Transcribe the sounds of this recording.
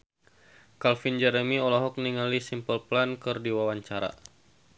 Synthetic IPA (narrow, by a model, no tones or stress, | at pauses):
kalfind͡ʒɛɾəmiɔlɔɦɔk̚niŋalisimpəlplankɨrdiwawaɲt͡ʃaɾa̰